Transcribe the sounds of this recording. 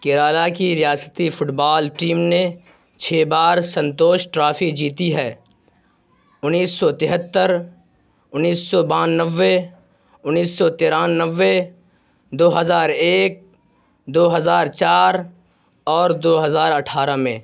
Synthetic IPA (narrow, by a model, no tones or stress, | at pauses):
keɾaːlakiɾɪjaːsət̪ifʰʊʈbaːlʈiːmne | t͡ʃʰeːbaːɾsə̃nt̪oːʃʈɾaːfid͡ʒiːt̪iɦɛː | ʊnːiːsːɔt̪ɪɦət̪ːəɾ | ʊnːiːsːɔbãːnnəʋːe | ʊnːiːsːɔt̪eːɾaːnnəʋːe | d̪oːɦəzaːɾeːk̚ | d̪oːɦəzaːɾt͡ʃaːɾ | ɔːɾd̪oːɦəzaːɾəʈʰaːɾamẽ